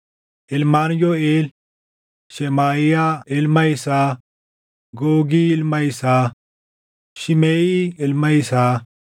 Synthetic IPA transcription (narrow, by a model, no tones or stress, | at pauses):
ɪlmaːnjoeːl | ʃemaːijailmɐisaː | ɡoːɡilmɐisaː | ʃimeːiɪlmɐisaː